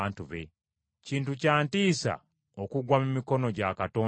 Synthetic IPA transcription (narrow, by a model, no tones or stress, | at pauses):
ntuβe̞̰ | ciːntucaːntiːsa̰ | o̞kuɡwamumiko̞no̞ɟakato̞ː